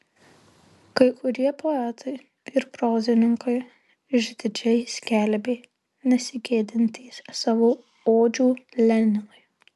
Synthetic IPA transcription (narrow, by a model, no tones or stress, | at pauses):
kɐɪkʊɾʲiɛpʰɔɛt̪ʰɐɪ | ɪɾpɾoːzʲɪnʲɪŋkɐɪ | ʒʲd̪ʲɪd͡ʒʲɛɪsʲkʲɛlʲbʲeː | nʲɛsʲɪɡʲeːd̪ʲɪnʲt̪ʲiːssɑːʋoː | oːd͡ʒʲuːlʲɛnʲɪnɐɪ